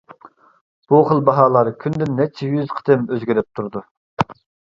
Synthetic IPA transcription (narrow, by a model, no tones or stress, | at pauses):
b̥uχəlˠbɑɦɑːlˠɑɾkʲʰynd̪ɪnːɛt͡ʃʰːɛjyzqʰə̥d̪ɨmøzɡʲiɾɪp̚t̪ʰuɾd̪u